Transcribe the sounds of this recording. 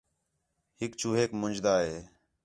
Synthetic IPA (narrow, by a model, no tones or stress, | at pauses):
ɦɪkt͡ʃuːɦeːkmʊnd͡ʒd̪aːɦeː